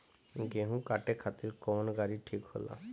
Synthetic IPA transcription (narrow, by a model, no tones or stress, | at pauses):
ɡeɦũkaːʈekʰat̪iɾkɔːnɡaːɾiʈʰiːkho̰la̰